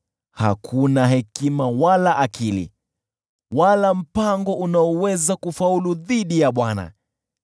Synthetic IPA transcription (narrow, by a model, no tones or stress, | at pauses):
ha̰kʰunaɦɛkimawalaʔːkilḭ | walam̩paŋɡɔʔunaɔwɛzakufauluðiɗijaɓwana̰